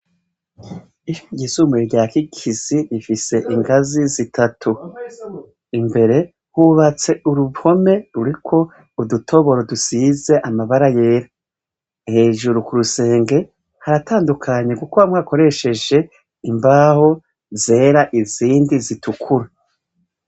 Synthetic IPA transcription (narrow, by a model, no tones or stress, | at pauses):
ioɟisumeɾɟaːkikʰiziɾifise̞ʔiŋɡazizitʰatʰu | imbe̞ɾe̞ | huβat͡se̞ʔuɾuho̞me̞ɾuɾikʰo̞ | udutʰo̞βo̞ɾodusize̞ʔamaβaɾaje̞ːɾa | he̞ːʒuɾukuɾuse̞ːŋɡe̞ | haɾataːndukʰaɲe̞kukuβamŋaːko̞ɾe̞ʃe̞d͡ʒe̞ | imbaːho̞ | ze̞ːɾaʔiziːndizitʰukʰuɾa